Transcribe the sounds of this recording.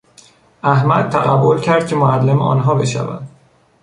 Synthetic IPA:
ʔæhmæd̪̚t̪ʰæɣæbːo̞lcʰæɾd̪̚cʰʲe̞moælːemɒ̰ːnɦɒːbe̞ʃæ̰væ̰nd̪̥

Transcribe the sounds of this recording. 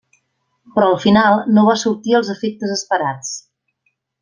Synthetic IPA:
pɾɔəlˠfinalˠnoβasuɾt̪iəlˠzəfek̚t̪əzəspəɾat͡s

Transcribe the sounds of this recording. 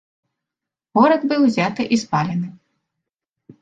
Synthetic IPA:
vɔɾɐd̪bɨwzʲat̪ɨʔispalʲɛnɨ

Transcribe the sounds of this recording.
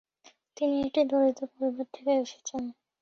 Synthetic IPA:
t̪inieʈid̪ʱoɾit̪opoɾibʱaɾt̪ʰekeeʃe̥t͡ɕʰen

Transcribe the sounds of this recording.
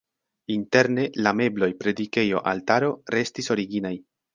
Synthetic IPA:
inte̞ɾne̞lame̞blo̞jpɾe̞dike̞jo̞̰ʔa̰ltaɾo̞ɾe̞stiso̞ɾiɡinaj

